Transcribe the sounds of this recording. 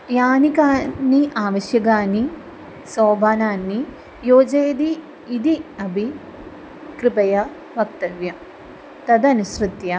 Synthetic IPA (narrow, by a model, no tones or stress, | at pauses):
jaːnikaːnːiʔaːʋɐɕjɐɡaːni | soːbʱaːnaːnːi | joːd͡ʒeːd̪iː | d̪iɐbʱi | kɾɨbɐjɐ | bʱɐk̚t̪ɐʋjɐ | t̪ɐd̪ɐnusrɨt̪jɐ